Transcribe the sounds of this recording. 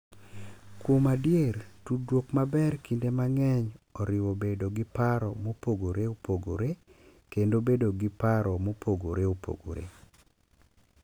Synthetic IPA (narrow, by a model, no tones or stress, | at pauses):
kwomadjertudwokmabɛrkindemaŋɛɲɔɾɪwobedoɡɪpaɾɔmopoɡoɾeopoɡo̰ɾekendobedoɡɪpaɾɔmopoɡoɾeopʰo̰ɡo̰ɾḛ